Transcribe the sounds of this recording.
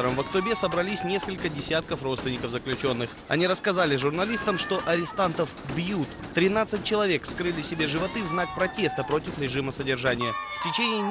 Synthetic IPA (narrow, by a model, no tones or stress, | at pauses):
əɾəmvəkt̪ʊbʲesəbɾɐlʲisʲnʲe̞skəlʲkədʲɪsʲat̪̚kəfrot̪st̪vʲɪnʲɪkəvzəklʲʉt͡ɕo̞nːɨx | ɐ̰nʲiɾəskɐzalʲɪʐʊrnɐlʲist̪əmʂt̪o̞ʔɐɾʲɪst̪ant̪əfbjut̪ː | ɾʲɪnat̪sɨt̚ʲt͡ɕːɪlˠɐvʲe̞kfskɾɨlʲɪsʲɪbʲe̞ʐɨvɐt̪ɨvznak̚pɾɐtʲe̞st̪əpɾo̞tʲɪfɾʲɪʐɨməsədʲɪrʐanʲɪjəftʲɪt͡ɕenʲɪː